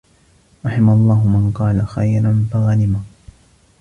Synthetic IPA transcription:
ɾˤɑħɪmaalˤːɑːhʊmanqɑːlaxajɾˤanfaɣalɪma

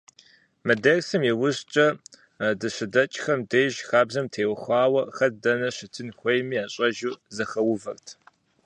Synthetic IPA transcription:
mɐdɐrsɨmjewʊɕt͡ʃʼɐ | dɨɕʷɪdɐt͡ʃʼxɐmdeːʒxaːbzɐmtʰeːwɐxʷɑːwɐxɐrdɐnɐɕɪtʰɨnxʷejmiːaːɕʼɐʒuːzɐxɐwʊvɐrtʰ

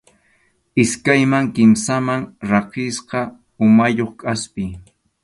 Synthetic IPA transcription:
ɪskajmaŋkɪmsamaŋɾɑqɪsqɑ | ʊmajoχkʼaspɪ

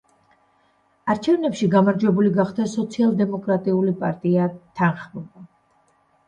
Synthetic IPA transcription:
aɾt͡ʃʰɛvnɛpʃiɡamaɾd͡ʒwɛbuliɡaχd̪asɔt̪sʰialˠd̪ɛmɔkʼɾat̪ʼiulipʼaɾt̪ʼiat̪ʰanχmɔba

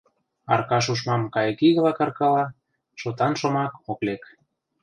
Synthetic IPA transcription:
ɑ̰rkɑʃ̬uʃmɑmkɑjəkiɣə̆lɑkɑrkɑlɑ | ʃot̪ɑnʃomɑkoklek

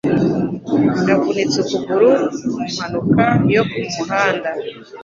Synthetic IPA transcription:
ɡakunet͡sut͡suɡuɾuumanukajokuihaːnda

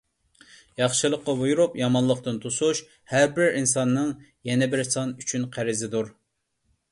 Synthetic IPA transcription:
jɑχʃɨlˠəqːɑvujuɾupjɑmɑnlˠəqt̪ɨnt̪ʰusuʃ | hæɾbɪɾʔinsɑnːɨŋjɛnɛbɪɾsɑnyt͡ʃʰynqʰæɾɪzɪd̪uɾ

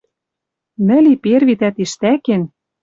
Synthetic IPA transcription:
nɘ̆liperβit̪æt̪iʃt̪æken

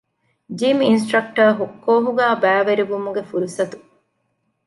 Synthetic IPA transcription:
d͡ʒiːminsʈɾɐk̚ʈɐːɦukːoːɦuɡæːbæːʋeɾiʋumuɡefuɾusɐt̪u̥

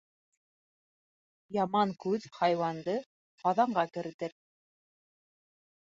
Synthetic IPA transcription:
jɑmɑŋkʉðhɑjwɑnd̪ɤ | qɑðɑɴɢɑkɘ̆ɾɘ̆t̪ɘɾ

